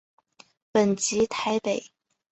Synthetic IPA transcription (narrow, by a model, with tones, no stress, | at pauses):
pə˨˩nt͡ɕi˧˥t̪ʰa˧˥ɪpe˨˩˦ɪ